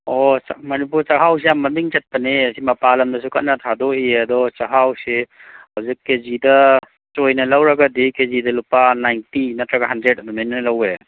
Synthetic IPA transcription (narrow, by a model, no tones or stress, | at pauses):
ɔmɐnipuɾt͡ʃɐɦaws̬iamːɐdiŋt͡ʃɐt̚pɐneɐsimɐpalɐmdɐs̬ukat̚nɐtʰadɔiɐdɔt͡ʃɐɦawsihɐwzikːezidɐ | t͡ʃojnɐlɐwɾɐɡɐdikezidɐlupːanajntinɐtɾɐɡɐɦandɾet̚ɐdɔmenːɐlɐwe